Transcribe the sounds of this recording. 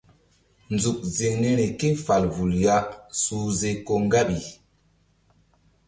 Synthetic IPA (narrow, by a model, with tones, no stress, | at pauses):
nd͡zu˨k̚ze˨nɛ˦nɛ˨ke˦fa˨lvu˨lja˦su˦ze˦ko˦ŋ˦ɡa˦bi˨